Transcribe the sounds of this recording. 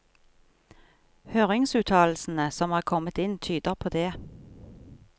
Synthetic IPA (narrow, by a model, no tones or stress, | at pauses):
høːʁɪŋsʉːt̪ʰɑːl̩sn̩əsɔmhɑːʁkʰɔmət̪ɪnt̪ʰyːd̪əʁpʰoːd̪eː